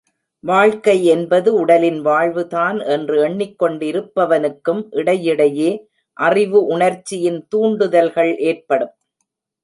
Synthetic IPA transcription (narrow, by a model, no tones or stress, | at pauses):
ʋaːɻkɐɪɛnbɐðɯʊɽɐlɪnʋaːɻʋɯtaːnɛndrɯɛɳːɪkːɔɳɖɪɾɯpːɐʋɐnɯkːɯmʔɪɽɐjɪɽɐjeː | ʔɐrɪʋɯʔʊɳɐɾt͡ʃːɪjɪnt̪uːɳɖɯðɐlɣɐɭʔeːrpɐɽɯm